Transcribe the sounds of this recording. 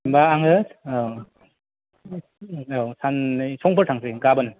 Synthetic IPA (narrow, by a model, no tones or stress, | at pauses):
mbaːŋɦɯs | awsanjsɔŋpʰɯɾtʰaŋseɡabɯnɯ